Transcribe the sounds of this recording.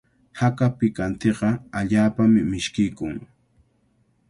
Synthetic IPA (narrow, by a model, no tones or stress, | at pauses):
hakapɪkant̪eqɑaʎaːpamɪmɪʃkɪjkʊŋ